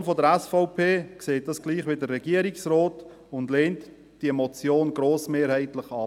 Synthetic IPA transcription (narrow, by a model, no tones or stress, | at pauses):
nfɔdəɾɛsfɔʊpʰeːkseːt̚d̥ɑsɡ̥liːχʋidərːɛɡiəɾɪksrɔːt | ʊndleːnt | d̥iəmɔt͡sjoːnɡɾoːsmeːɾhɛɪtlɪχɑː